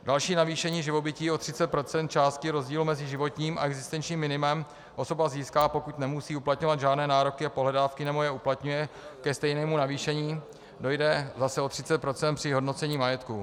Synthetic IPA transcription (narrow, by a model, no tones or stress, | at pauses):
dalʃiːnaviːʃɛɲiːʒɪvo̞bɪciːʔo̞t̪r̥ɪt͡sɛt̪̚pɾo̞t̪t͡sɛnt̪̚t͡ʃaːst̪̚cɪɾo̞zɟiːlumɛzɪʒɪvo̞t̪ɲiːma̰ɛɡzɪst̪ɛnt͡ʃɲiːmːɪnɪmɛm | ʔo̞so̞baziːskaːpo̞kut̪nɛmusiːuplat̪ɲovad̪ʒaːdnɛːnaːɾo̞kɪapoɦlɛdaːfkɪnɛbojɛuplat̪ɲujɛkɛst̪ɛjnɛːmunaviːʃɛɲiː | do̞jdɛzasɛo̞t̪r̥ɪt͡sɛt̪̚pɾo̞tt͡sɛn̚pr̥ɪɦo̞dno̞t͡sɛɲiːmajɛt̪ku